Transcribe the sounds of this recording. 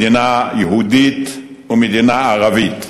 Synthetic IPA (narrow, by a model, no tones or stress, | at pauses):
inajehud̪it̪ | umed̪inaaʁavit̪